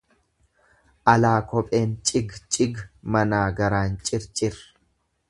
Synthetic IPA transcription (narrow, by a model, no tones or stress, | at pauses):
ʔɐlaːkɔpʼeːnt͡ʃʼɪɡt͡ʃʼɪɡmɐnaːɡɐɾaːnt͡ʃʼɪɾt͡ʃʼɪɾ